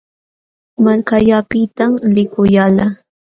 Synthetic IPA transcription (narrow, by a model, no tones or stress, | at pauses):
malkaʎapɪt̪amlɪkʊjala